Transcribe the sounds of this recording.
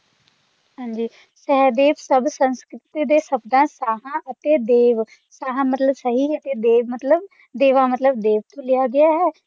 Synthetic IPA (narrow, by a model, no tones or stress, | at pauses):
ɦãːɲd͡ʒiː | sɛːd̪eːʋsəbsə̃nskɾɪt̪iːd̪eːsəbd̪ãːsaːɦãːʔət̪eːd̪eːʋ | saːɦãːmət̪ləbsəɦiːət̪eːd̪eːʋmət̪ləb̚ | d̪eːʋaːmət̪ləb̚d̪eːʋt̪õːlɪjaːɡɪjaːɦɛː